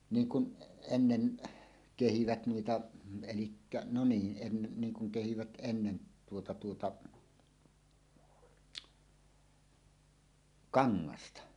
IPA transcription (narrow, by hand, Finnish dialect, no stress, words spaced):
niːŋ kun enːen kehiʋæt nuitɑ elikːæ no niːn ʔenːen niŋ kuŋ kehiʋæt enːen tuotɑ tuotɑ kɑŋːɑstɑ